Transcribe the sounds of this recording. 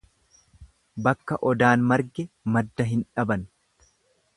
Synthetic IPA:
bɐkːɐʔɔd̪aːnmɐɾɡɛmɐd̪ːɐɦɪnᶑɐbɐn

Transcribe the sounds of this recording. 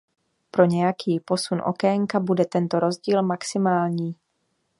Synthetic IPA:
pɾo̞ɲɛjakiːpo̞sunʔo̞̰kɛŋkabudɛt̪ɛnt̪o̞ɾo̞zɟiːlmaksɪmaːlɲiː

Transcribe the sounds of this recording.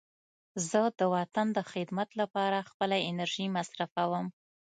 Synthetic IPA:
zəd̪əwat̪and̪əxɪd̪mat̪lapɑɾaxpəlaɪnaɾʒimasɾafawəm

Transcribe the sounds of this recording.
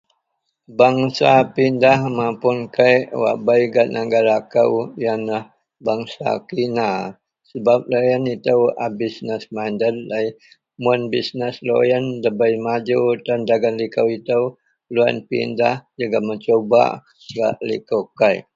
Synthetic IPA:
baŋsapindahmapʊnkajʔwa̰bajɡat̪̚nəɡaɾakəwjanlah | baŋsa̰kina | səbap̚lojənit̪əwa̰bisnəsmandəllaj | mənbisnəslo̰jəndəbajmad͡ʒutandaɡanlikəwit̪əw | loa̰npḭndahd͡ʒuɡamət͡ʃoba̰ | ɡa̰ʔlḭkowkaj

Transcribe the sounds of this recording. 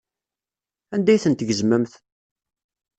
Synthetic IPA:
ænd̪æjθənt̪əʝəzməmθ

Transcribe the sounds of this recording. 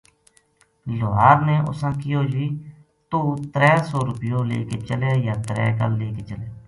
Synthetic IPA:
loːɦaːɾneːʔʊ̰sãːkɪjoːd͡ʒiː | t̪oːt̪ɾɛːsoːɾʊpɪjõːlḛːkeːt͡ʃəleːjaːt̪ɾɛ̰ːkə̰lːeːkeːt͡ʃəleː

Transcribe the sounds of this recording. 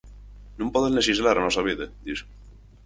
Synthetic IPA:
nũmpoðenlesizlaɾnosaβiðed̪is

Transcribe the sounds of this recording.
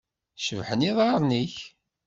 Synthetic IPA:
ʃəvħəniðˤɑɾˤniç

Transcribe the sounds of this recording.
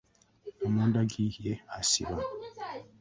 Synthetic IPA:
omuːndaɡijeasḭβa

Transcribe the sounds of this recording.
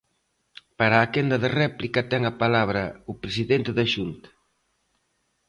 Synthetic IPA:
paɾaːkend̪ɐðerɛplikɐt̪ɛŋɐpalaβɾɐupɾesiðent̪eðaʃunt̪ɐ̥

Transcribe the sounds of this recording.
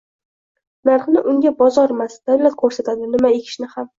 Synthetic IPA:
naɾχnɪʔʊŋʲabɒzɒɾmasd̪̥awlat̪̚kʰɵɾsat̪ʰad̪ɪnɪmaekʲʰɪ̥ʃnɪham

